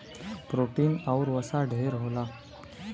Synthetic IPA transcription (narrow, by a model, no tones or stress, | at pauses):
pɾoʈiːnauɾʋəsaɖʱeɾɦola